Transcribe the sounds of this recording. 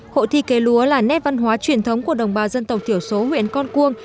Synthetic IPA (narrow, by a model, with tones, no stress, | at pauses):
ho̰˧˨t̪ʰi˧ke˨˦lu˨˦əlaː˨˩nɛ˦˥t̚va˧nɦwaː˨˦t͡ɕwi˧˩ənt̪ʰə˨˦wŋ͡mku˧˩əɗə˨˩wŋ͡mɓaː˨˩zə˧nt̪ə˨˩k͡p̚t̪i˧˩əwso˨˦hwḭ˧˨ənkɔ˧nku˧əŋ